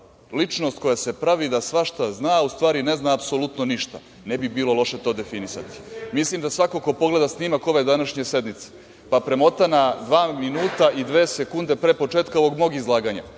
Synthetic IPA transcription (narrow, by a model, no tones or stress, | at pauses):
lit͡ʃno̞st̪̚ko̞jase̞pɾaʋid̪asʋaʃt̪aznaːust̪ʋaːɾine̞znaːpsolut̪noniʃt̪a̰ | nebibiːlo̞lˠo̞ʃe̞t̪o̞ːd̪e̞finisa̰t̪i̥mislimd̪asʋakoko̞po̞ɡle̞d̪asnimako̞ʋe̞d̪anaʃɲese̞d̪mit̪se̥ | papɾemo̞t̪anad̪ʋaːminuːt̪aʔid̪ʋeːsekund̪e̞pɾepo̞t͡ʃeːt̪̚ko̞ʋo̞ɡmoɡizlˠaːɡaɲa̰